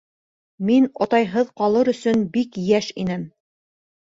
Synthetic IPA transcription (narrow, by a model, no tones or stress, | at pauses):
minɒ̰t̪ɑjɦɤðqɑlˠɤɾɵ̆sɵnbikjæʃinɘm